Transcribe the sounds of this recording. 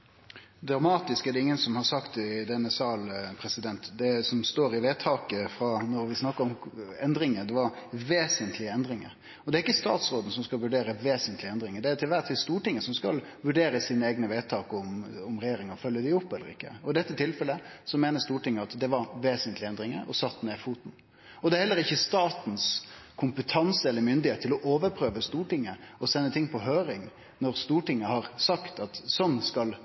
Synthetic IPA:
d̪ɾɑmɑːt̪ɪskæɖɛɪŋːənsɔmhɑɾsɑkt̪ɛd̪ɛnːəsɑːlpʰɾɛsɪd̪ɛnt̪d̪ɛsɔmst̪oːɾɪʋeːt̪ʰɑːkəfɾɑːnɔɾʋɪsnɑkːəɾɔmɛnd̪ɾɪŋəd̪ɛʋɑɾʋeːsənt̪ʰlɪɛnd̪ɾɪŋə̰ɾ | ɔd̪ɛæɾɪkːəst̪ɑ̰ːt̪sɾoːd̪n̩sɔmskɑlʋʉɖeːɾəʋeːsənt̪ʰlɪɛnd̪ɾɪŋəd̪ɛæɾt̪ʰɪlʋæʁʈ̪ʰiːst̪uːʈɪŋːəsɔmskɑlʋʉɖeːɾəsiːnəeːɡnəʋeːt̪ʰɑːkɔmʊmɾɛjeːɾɪŋɔfœlːəd̪ɪʊpːɛlːəɾɪ̰kːə̰ɔɪd̪ɛt̪ːət̪ʰɪlfɛlːəsɔmeːnəst̪uːʈɪŋːəɑt̪d̪ɛʋɑɾʋeːsənt̪lɪɛnd̪ɾɪŋə̰ɔsɑt̪ːneːfuːt̪n̩ | ɔd̪ɛæɾhɛlːəɾɪçːəst̪ɑːt̪n̩skʰʊmpət̪ʰɑnsəɛlːəɾmʏnd̪ɪheːt̪ʰːɪlɔʔoːʋəɾpʰɾøːʋəst̪uːʈɪŋːəɔsɛnːət̪ʰɪŋːpʰɔɦøːɾɪŋ | nɔɾst̪uːʈɪŋːəhɑɾsɑkt̪ɑt̪sɔnːskɑl

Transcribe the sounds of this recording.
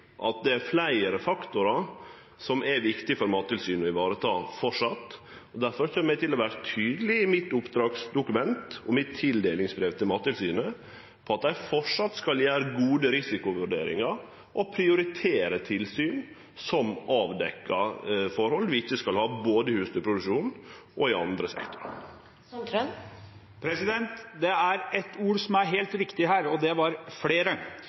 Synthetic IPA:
ʔɑt̪̚d̪ɛæɾflæɪəɾəfɑkt̪ʊɾɑ | sɔmʔæʋɪkt̪ɪfɔɾmɑːt̪ːɪlsyːnɔɪʋɑːɾət̪ʰɑːfɔʂɑt̪ | ɔd̪æɾfɔɾçøːməæɪt̪ɪlɔʋæːɾət̪ʰyːd̪əlɪɪmɪt̪ːʊpd̪ɾɑːɡsd̪ʊkʉmɛnt̪ɔmɪt̪ʰːɪld̪eːlɪŋsbɾeːʋt̪ʰɪlmɑːt̪ːɪlsyːnə | pʰɔɑt̪̚d̪æɪfɔʂɑt̪skɑljæːɾəɡuːd̪əɾɪsɪkʊʋʉɖḛːɾɪ̰ŋɑɾ | ʔɔpʰɾɪʊɾɪt̪ʰeːɾət̪ʰɪlsyːn | sɔmɑːʋd̪ɛkːɑ̰fɔɾhɔlʋɪɪçːəskɑlhɑːboːd̪əɪhʉːst̪ʰɪlpʰɾʊd̪ʉkʂuːn | ʔɔɪɑ̰nd̪ɾəsɛ̰kt̪ʊɾ̰ | pʰɾɛsɪd̪ɛnt̪d̪ɛæɾɛt̪uːɾsɔmæɾɦeːlt̪ʋɪkt̪ɪɦæːɾɔd̪ɛʋɑɾfɽeːɾə

